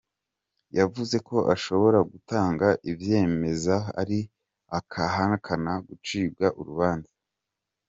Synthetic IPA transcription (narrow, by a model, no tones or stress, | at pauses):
javuze̞ko̞ʔaʃo̞βo̞ɾaɡutaːŋɡaʔivje̞ːme̞zaa̰ɾi | akʰaɦankʰanaɡut͡ʃiːb̚ɡaʔuɾuβaːnza